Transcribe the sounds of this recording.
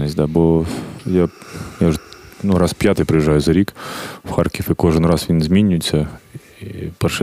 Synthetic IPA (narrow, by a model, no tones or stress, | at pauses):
nəsʲd̪abojajaʐɨnuɾaspʲjat̪ɨjpɾɨjɪʐːajʊzɐɾʲikfxarkʲɪfɨkoʐɨnrasvʲinʲzʲmʲinʲːʊsʲə | ipəʂ